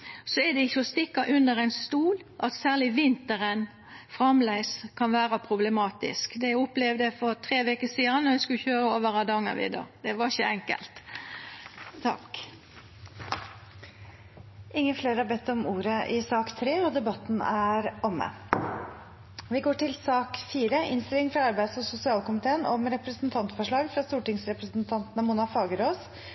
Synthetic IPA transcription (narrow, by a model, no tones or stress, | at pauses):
sɔɛd̪ɛɪçːəɔst̪ɪkːɑʔʉnd̪əɾæɪnst̪uːlʔɑt̪sæːʁlɪʋɪnt̪əɾən | fʁɑmlæɪskʰɑnʋæːɾɑpʰɾʊblɛmɑːt̪ɪ̰skd̪ɛʊplɛʋd̪əfɔɾt̪ʰɾeːʋekəsiːɑnːɔjæskʉçøːɾəoːʋəɾɑd̪ɑːŋə̰ʋɪ̰ːd̪ɑ̰d̪̥ɛʋɑɪçəɛŋkə̰lt̪ | t̪ʰɑ̰k | ɪŋːəfleːɾhɑɾbɛt̪ːɔmuːɾəʔɪsɑːkt̪ʰɾeːɔd̪ɛbɑt̪ːnæɾɔmːə̰ | ʋɪɡoːʈɪlsɑːkfiːɾəʔɪnst̪ɪlɪŋfɾɑɑɾbæɪd̪sɔsʊsɪɑːlkʊmɪt̪ʰeːənɔmɾɛpɾəsnt̪ʰɑnt̪fɔʂɭɑːɡfɾɑst̪uːʈɪŋsɾɛpɾəsnt̪ʰɑnt̪nəmuːnɑfɑːɡəɾoːs